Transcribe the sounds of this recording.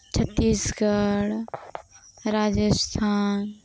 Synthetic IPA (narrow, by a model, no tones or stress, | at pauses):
t͡ʃʰət̪ːiːsɡəɽ | ɾaːd͡ʒəst̪ʰaːn